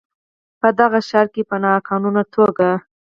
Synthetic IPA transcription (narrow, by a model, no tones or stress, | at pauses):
pəd̪aɣaʃɑɾkepənɑkɑnunat̪ʰoɡa